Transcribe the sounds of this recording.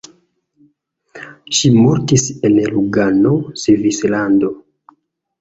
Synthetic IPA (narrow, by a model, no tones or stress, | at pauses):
ʃimoɾtisenluɡanosevislando̞